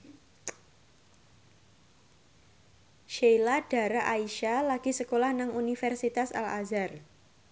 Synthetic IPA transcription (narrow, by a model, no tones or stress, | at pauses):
ʃejlad̥a̤ɾaʔaiʃalaɡ̥isəkolahnaŋunifɛrsit̪asa̰lazar